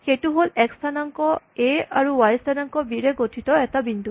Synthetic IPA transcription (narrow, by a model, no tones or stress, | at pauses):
xejtuɦolɛkstʰanaŋkɔ | eaɹuwajstʰanaŋkɔbiɹeɡotʰitɔɛtabindu